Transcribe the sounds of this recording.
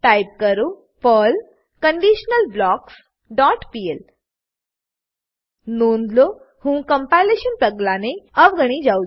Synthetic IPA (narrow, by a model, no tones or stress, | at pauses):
ʈajp̚kəɾu | pəl | kəɳɖiɕnəlblɔks | ɖɔʈpiel | nond̪lo | hũːkəmpajleɕənpəɡlaneəʋɡəɽ̃id͡ʑau